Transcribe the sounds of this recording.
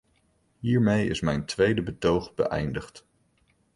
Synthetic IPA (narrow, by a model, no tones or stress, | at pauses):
ɦiːɹmejɪ̰smɛjntʋejdəbətowχbə̰ʔɛjndəχt